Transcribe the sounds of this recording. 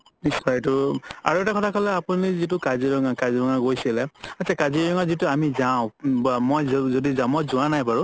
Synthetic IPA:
nisajtʊa̰ɹuɛtakɔtʰakʰɔlɛapunizitʊkaziɹɔŋakaziɹɔŋaɡojsilɛatːt͡ʃʰakaziɹɔŋazitʊamizaʊ̃mojzodizamɔzʊanajpaɹʊ

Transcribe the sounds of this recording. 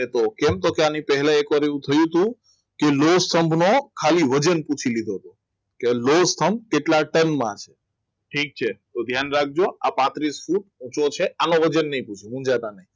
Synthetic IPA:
et̪okɛmt̪okeanipɛɦɛlãekʋaɾeʋũt̪ʰəjũt̪ũ | kelost̪ʰəmbʱnokʰaliʋəd͡ʒənput͡ʃʰilid̪ʱoɦt̪o | kelost̪ʰəmb̚keʈlaʈənmã̰t͡ʃʰe̥ | ʈʰik̚t͡ʃʰet̪od̪ʱjanɾak̚ʰd͡ʒoa̰pãt̪ɾisfuʈ̚ũt͡ʃot͡ʃʰeanõʋəd͡ʒənːəɦĩput͡ʃʰimũd͡ʒat̪anəɦĩ

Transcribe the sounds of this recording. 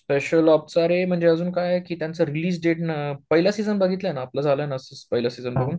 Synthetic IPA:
speɕəlɔpt͡saɾem̤əɳd͡zeəd͡zuːnkajjekiːt̪jãnt͡səɾiliːs̬ɖeʈnpəɦilasid͡zənbəɡʱiːt̪ljanaːplad͡zʱaləjnəsəspəɦilasid͡zənbəɡuːn

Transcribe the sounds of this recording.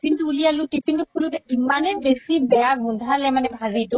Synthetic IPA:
kintuːlijalʊtipiŋtukʰulutɛimanɛbesibɛjaɡundʱalɛmanɛbʱazitʊ

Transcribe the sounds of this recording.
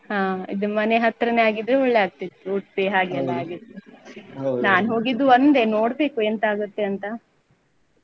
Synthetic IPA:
ɦaːḭd̪umɐneɦɐt̪ɾɐneaːɡid̪ɾeɔɭːeaːɡ̚t̪it̪ːuuʈpeɦaːɡeɐlːaaːɡit̪ːu | naːnɦo̞ːɡid̪uɐnd̪eno̞ːɽbe̞ːkuent̪aːɡut̪ːeɐnt̪ɐ

